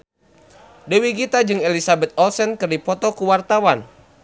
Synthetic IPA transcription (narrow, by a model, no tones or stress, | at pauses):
dəwiɡit̪ad͡ʒɨŋelisabɛt̪̚ɔlsɛnkɨrdipɔt̪ɔkuwart̪awan